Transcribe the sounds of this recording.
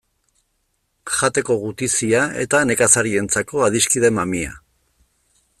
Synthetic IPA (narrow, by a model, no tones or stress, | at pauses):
ʝat̪e̞ko̞ɣut̪isiae̞̰t̪ane̞kasaɾie̞nt͡sako̞að̞iskiðe̞mamia̰